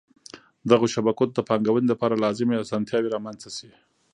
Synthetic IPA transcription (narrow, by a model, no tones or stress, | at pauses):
d̪aɣoʃabakot̪d̪əpɑŋɡawənelapɑɾalɑzɪmeasɑnt̪jɑweɾɑmanzasi